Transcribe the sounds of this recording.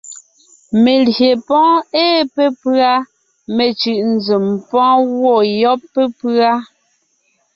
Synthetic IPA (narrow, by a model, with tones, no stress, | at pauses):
me˨lje˨pɔ̃ː˦eː˦pe˦pɰa˦ | me˨t͡ʃʉ˨ʔn˨d͡zi˨mpɔ̃ː˦ɣwɔ˦˨jɔ˦pːe˦pa˦